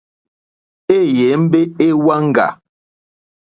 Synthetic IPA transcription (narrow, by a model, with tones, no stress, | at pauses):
e˦˨je˨˦m̩˦be˦e˦wa˦ŋ̩˦ɡa̰˨